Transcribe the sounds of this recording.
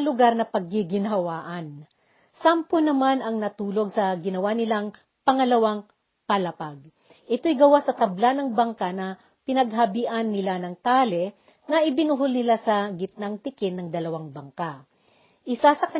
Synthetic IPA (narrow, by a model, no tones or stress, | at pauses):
lʊɡaɾnɐpɐɡ̚ːɪɡɪnɐɐwaːʔɐn | samponɐmanɐŋnɐt̪uːlo̞ɡ̚sɐɡɪnɐwanɪlaŋ | pɐŋɐlɐwaŋ | pɐlɐpaɡ̚ | ʔɛt̪o̞jɡɐwasɐt̪ɐblanɐŋbɐŋkanɐ | pɪnɐɡɦɐbɪʔanːɪlanɐŋt̪aːlɛ | nɐʔɪbɪnuɦolnɪlasɐɡɪt̪̚naŋt̪ɪkɪnːɐŋd̪ɐlɐwaŋbɐŋka | ʔɪsasɐkɐ